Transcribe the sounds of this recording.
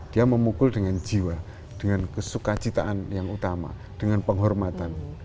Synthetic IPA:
d̥iaməmukʊldəŋand͡ʒiwa | d̥əŋankəsukat͡ʃit̪a̰ʔanjaŋut̪ama̰ | d̥əŋanpəŋɦɔrmat̪an

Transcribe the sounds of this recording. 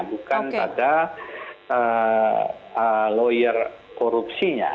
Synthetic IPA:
bukanpada | ə | əlɔjər | kɔɾupsiɲa̰

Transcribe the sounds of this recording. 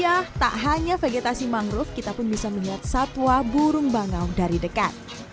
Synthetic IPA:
jaht̪a̰ʔɦaɲafeɡet̪asimaŋɾʊfkit̪apʊnbisaməliɦat̪̚sat̪wabuɾʊŋbaŋawdaɾidəkat̪̚

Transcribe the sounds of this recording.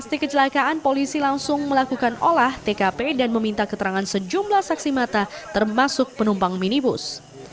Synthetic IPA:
past̪ikət͡ʃəlakaʔanpolisilaŋsʊŋməlakukanolaht̪ekapedanməmint̪akət̪əɾaŋansəd͡ʒumlahsaksimat̪at̪ərmasʊk̚pənumpaŋminibʊ̰s

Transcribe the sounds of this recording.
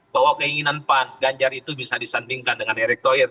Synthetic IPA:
bawakəiŋinanpanɡaɲd͡ʒarit̪ubisadisandiŋkandəŋandiɾɛk̚t̪oɾɛt̪̚

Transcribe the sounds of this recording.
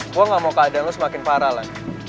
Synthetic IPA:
uaŋamokadanlʊsəmakɪnpaɾalan

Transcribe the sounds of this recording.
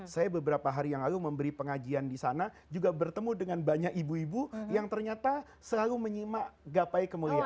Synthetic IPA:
sajabəbəɾapaɦaɾijaŋlaluməmbəɾipəŋad͡ʒiandisana | d͡ʒuɡabərt̪əmudəŋanbaɲakibuibujaŋt̪ərɲat̪a | səlaluməɲimaʔɡapaikəmulia

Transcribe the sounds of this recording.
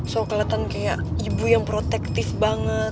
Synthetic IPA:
sokalat̪ankajaʔibujaŋpɾot̪ɛk̚t̪ɪfbaŋət̪̚

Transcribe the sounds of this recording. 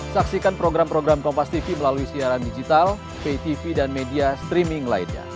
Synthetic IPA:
saksikanpɾoɡɾampɾoɡɾamkɔmpast̪ifiməlaluisiaɾandid͡ʒit̪al | pet̪ifidanmediast̪ɾimɪŋla̰ḭnɲa̰

